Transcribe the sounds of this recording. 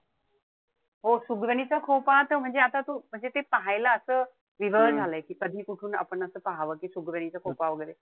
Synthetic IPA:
ɦosuɡɾəɳ̃it͡sakʰopat̪əm̤əɳd͡zeat̪at̪uːm̤əɳd͡zet̪epəɦajlaəsəː | ʋiʋəd͡zʱaləːekiːkəd̪ʱiːkuʈʰuːna̰pəɳəsəːpəɦaʋəːkiːsuɡɾəɽ̃it͡sakʰopaʋəɡəjɾe

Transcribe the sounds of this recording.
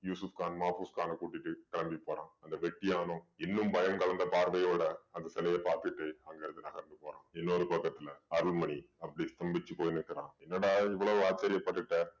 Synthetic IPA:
juːsufkaːnmaːfuːskaːnɐkuːʈːɪʈːɯkɐɭɐmbipːoːɾãːɐnd̪ɐʋɛʈːɪjaːnʊ̃ɪnːɯmbɐjɐmkɐɭɐnd̪ɐpaːɾʋɐjoːɽɐɐnd̪ɐsɛlɐjɐpaːɾt̪ɯɪʈːɯɐŋɡɐɪɾɐðɯnɐɣɐɾnd̪ɯpoːɾã̰ːɛnːoɾɯpɐkːɐt̪ːɪlɐɐɾɯɭmɐɳiɐpːɐɽist̪ɐmbɪt͡ʃːɯpoːjnɯkːɪɾãːɛnːɐɽaɪʋːɐɭɐʋɯaːt͡ʃːɐɾɪjɐpːɐʈːɯʈːɐ

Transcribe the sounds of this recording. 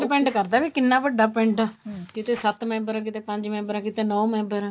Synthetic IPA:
pɛ̃ɳʈkəɾd̪aːʋiːkɪnːaːbəɖaːpɛ̃ɳʈɛːkɪt̪eːsət̪mɛ̃ːmbəɾɛːk̬ɪt̪eːpəɲd͡ʒmɛ̃ːmbəɾɛːkɪt̪eːnɔ̃ːmɛ̃ːmbəɾɛː

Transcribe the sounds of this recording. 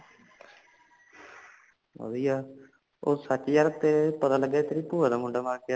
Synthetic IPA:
ʋə̰diːjaː | oːsət͡ʃːijaːɾt̪eːpət̪aːləɡːaːt̪əɾiːpuːɾad̪aːmʊɳɖaːmaːɾkea

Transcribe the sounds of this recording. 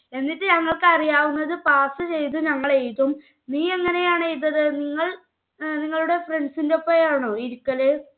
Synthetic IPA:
e̞nːitːɨɲɐŋːɐɭkɨɐrijaːʋunːɐðɨpaːsɨt͡ɕe̞jt̪uɲɐŋːɐɭejt̪ːum | niːe̞ŋːɐne̞jaːɳejit̪ːɐðɨniŋːɐɭ | niŋːɐɭuɽe̞fre̞ɳɖsindepːojaːɳoːiɾukːɐle

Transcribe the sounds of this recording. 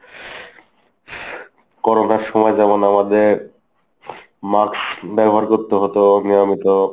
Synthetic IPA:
kɔɾonaɾʃɔmɔed͡ʑamonamad̪eɾ | maksbɛboɦaɾkoɾt̪eɦot̪oniamit̪o

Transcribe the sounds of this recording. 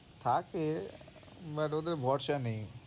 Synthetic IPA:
t̪ʰake | bɐʈod̪eɾbʱɔʈʃanẽj̃

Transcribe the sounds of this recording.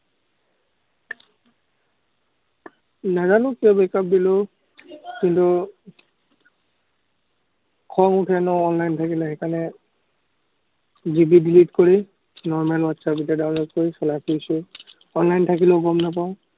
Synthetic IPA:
nazalʊkiɔbɛkap̚dilo | kintu | kʰɔŋutʰɛnɔɔnlajntʰakilɛxɛkanɛ | zibidilitkoɹi | nɔɹmalwatsabidɔdaʊnlɔd̚koɹisɔlakʰoisʊ | ɔnlajntʰakiloɡɔmnap̬aʊ̃

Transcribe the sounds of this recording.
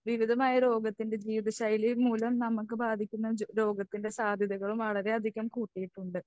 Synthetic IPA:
ʋiʋid̪ʱɐmaːjɐɾo̞ːɡɐt̪ːinde̞d͡ʑiːʋðɐɕɐjlimuːlɐmnɐmukːɨbaːd̪ʱikʲːunːɐɾo̞ːɡɐt̪ːinde̞saːd̪ʱjɐðɐɣɐɭumʋɐɭɐɾe̞ɐd̪ʱiɣɐmkuːʈːijiʈːuɳɖɨ

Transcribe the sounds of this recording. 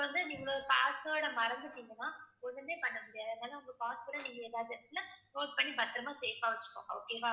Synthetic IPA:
ʋɐnd̪ɯnĩːŋɡɐɭoːɾɯpaːsoːɽɐmɐɾɐnd̪ɯʈːiŋɡɐnːaːɔðɐmeːpɐɳːɐmʊɽɪjaːðɐnaːlɐʊŋɡɐpaːsfoːɽɐniːŋɡɐɛːðaːʋðɯlːɐnoːʈ̚pɐɳːibɐt̪ːɪɾɐmaːseːfaːʋɐt͡ʃːɯ̥kːʊ̰̃o̰ːkeːʋaː

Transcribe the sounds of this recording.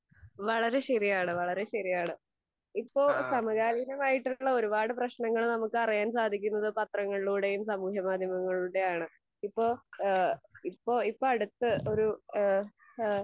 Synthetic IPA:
ʋɐɭɐɾe̞ɕɐrijaːɳɨʋɐɭɐɾe̞ɕɐrijaːɳɨ | ipːo̞ːsɐmɐɣaːlɐjnɐmaːjiʈːuɭːɐo̞ɾubaːɽɨprɐɕnɐŋːɐɭnɐmukːɨɐrijaːnsaːd̪ʱikʲːunːɐðɨpɐt̪rɐŋːɐɭiɭuːɽe̞jumsɐmuːkʰjɐmaːd̪ʱjɐmɐŋːɐɭuːɽe̞jaːɳɨ | ipːo̞ː | ipːo̞ːipːoɐɽut̪ːɨo̞ɾu

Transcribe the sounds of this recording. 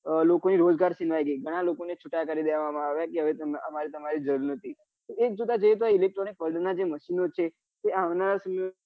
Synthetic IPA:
lokoniɾod͡ʒɡaɾʃinʋajɡəiɡʱəɽ̃alokonet͡ʃʰuʈakəɾid̪eʋʋamãaʋjakeɦəʋet̪əməmaɾit̪əmaɾid͡ʒəɾuɾnət̪ʰi | oek̚d͡ʒut̪ad͡ʒəjet̪̬oailek̚ʈɾɔnik̚bəlɖnad͡ʒeməʃinot͡ʃʰe | t̪eaʋnaɾasəmə

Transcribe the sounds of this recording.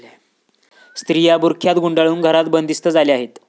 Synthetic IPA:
st̪ɾijabuɾkʰjat̪ɡuɳɖaɭuːnɡʱəɾat̪bənd̪ist̪əd͡zaleaɦet̪

